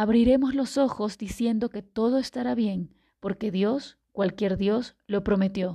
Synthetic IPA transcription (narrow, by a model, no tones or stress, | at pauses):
aβɾiɾe̞mozlo̞so̞xo̞zd̪isje̞nd̪o̞ke̞t̪o̞ð̞o̞est̪aɾaβje̞ŋ | po̞ɾke̞ðjo̞s | kwalkje̞ɾðjo̞s | lo̞pɾo̞me̞t̪jo̞